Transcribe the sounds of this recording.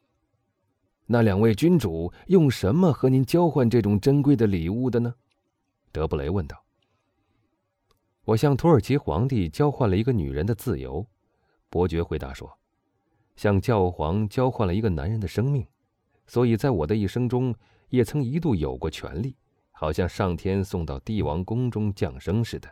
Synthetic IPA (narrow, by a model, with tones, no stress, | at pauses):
na˥˩ljɑ˨˩ŋwe˥˩ɪt͡ɕy˥nʈ͡ʂu˨˩˦jʊ˥˩ŋʂə˧˥nmə˧xɤ˧˥ni˧˥nt͡ɕjɑ˥ʊxwa˥˧nʈ͡ʂɤ˥˩ʈ͡ʂʊ˨˩ŋʈ͡ʂə˥nkwe˥ɪd̪ə˨li˨˩u˥˩d̪ə˩nə˩ | t̪ɤ˧˥pu˥˩lḛ˧˥ɪwə˥˧nt̪ɑ˥˩ʊ | wɔ˨˩ɕjɑ˥˩ŋt̪ʰu˧˥ə˞˨˩t͡ɕʰi˧˥xwɑ̰˧˥ŋt̪i˥˩t͡ɕjɑ˥ʊxwa˥˩nlə˩i˧˥ɡə˧ny̰˨˩ɻə˧˥nd̪ə˧t͡sɹ̩˥˩jo̰˧˥ʊ | pwɔ˧˥t͡ɕɥɛ˧˥xwe˧˥ɪt̪a̰˧˥ʂwɔ̰˥ | ɕjɑ˥˧ŋt͡ɕjɑ˥˩ʊxwɑ̰˧˥ŋt͡ɕjɑ˥ʊxwa˥˩nlə˩i˧˥ɡə˧na̰˧˥nɻə˧˥nd̪ə˧ʂɤ˥ŋmi˥˩ŋ | swɔ˧˥i˨˩t͡sa˥˩ɪwɔ˨˩d̪ə˦i˥˩ʂɤ˥ŋʈ͡ʂʊ˥ŋ | jɛ˨˩t͡sʰɤ˧˥ŋi˧˥t̪̬u˥˩jo̰˨˩ʊkwɔ˥˧t͡ɕʰɥɛ̰˧˥nli˥˩ | xɑ˨˩ʊɕjɑ˥˧ŋʂɑ˥˩ŋt̪ʰjɛ˥nsʊ˥˧ŋt̪ɑ˥˧ʊt̪i˥˩wɑ̰˧˥ŋkʊ˥ŋʈ͡ʂʊ˥ŋt͡ɕjɑ˥˩ŋʂɤ˥ŋʂɻ̩˥˩d̪ə˩